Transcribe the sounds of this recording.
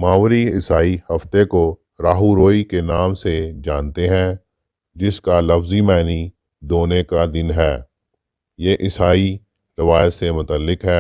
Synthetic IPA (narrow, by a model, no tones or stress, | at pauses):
maːʋɾiɪsaːihɐft̪eko | ɾaːɦuɾoːikenaːmsed͡ʒaːnt̪eɦɛ̃ | d͡ʒɪskalɐfzimɛːni | d̪oːnekad̪ɪnɦɛː | jeːʔɪsaːi | ɾɐʋaːjt̪semʊt̪əlːɪkɦɛː